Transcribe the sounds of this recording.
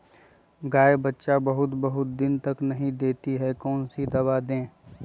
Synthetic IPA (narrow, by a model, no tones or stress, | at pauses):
ɡaːebɐtːʃabɐɦʊt̪bɐɦʊt̪̚d̪ɪnt̪ɐknɐɦĩd̪eːt̪iɦɛkɔːnsid̪ɐbad̪ẽː